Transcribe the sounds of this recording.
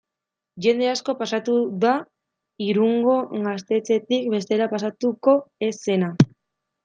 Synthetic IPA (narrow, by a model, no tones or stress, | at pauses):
ʝe̞nd̪e̞asko̞pasat̪uða | iɾuŋɡo̞ɣast̪e̞t͡se̞t̪ik̚be̞st̪e̞ɾapas̬at̪uko̞e̞se̞na